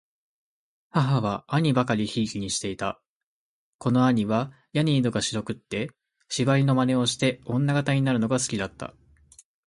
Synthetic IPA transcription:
haɦaβaaɲ̟ibakaɾʲiçiːkʲiɲ̟iɕi̥t̪e̞it̪a | ko̞no̞aɲ̟iβa | jaɲ̟iːd̪o̞ɡaɕiɾo̞kɯ̟t̪ːe̞ | ɕibaɾʲino̞mane̞o̞ɕi̥t̪e̞õ̞nːaɡat̪aɲ̟inaɾɯ̟no̞ɡasɨ̥kʲid̪at̪ːa̰

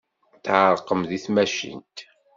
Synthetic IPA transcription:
θʕəɾˤqəmðiθmæʃḭnt̪

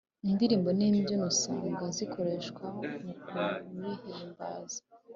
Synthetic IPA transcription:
indiɾiːmbo̞niːmbjonosa̰ːŋɡazikʰo̞ɾe̞ʃkwamukumihemba̰zi

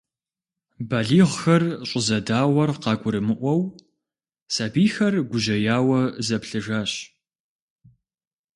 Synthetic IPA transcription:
baːɮiːʁxɐrɕʼɪzɐdaːwɐrqɑːɡʷʊɾɨmɨʔʷɔw | sabiːxɐrɡʷʊʑɐjaːwɐzɐpɬɨʒaːɕ

